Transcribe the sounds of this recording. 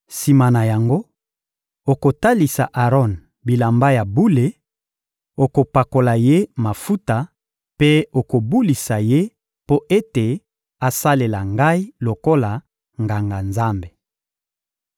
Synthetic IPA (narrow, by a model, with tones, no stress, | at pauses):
si˨ma˨na˨ja˨ŋɡo˦ | o˨ko˨ta˦li˨sa˨ʔa˨ʁɔ˦˨n | bi˨la˨mba˦ja˨bu˦le˨ | o˨ko˨pa˨ko˨la˨je˦ma˨fu˦ta˨ | pe˦o˨ko˨bu˦li˨sa˨je˦ | po˦ʔe˦te˨ | a˨sa˦le˨la˨ŋɡa˦i˦lo˨ko˦la˨ | ŋɡa˨ŋɡa˨nza˦mbe˨